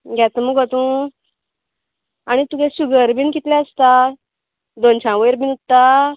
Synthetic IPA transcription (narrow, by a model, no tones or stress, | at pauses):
ɡat̪əmuɡət̪ũ | aɽ̃it̪uɡẽsuɡəɾbinkit̪lɛ̃əst̪a | d̪ont͡ɕãʋəjɾbinut̪ːa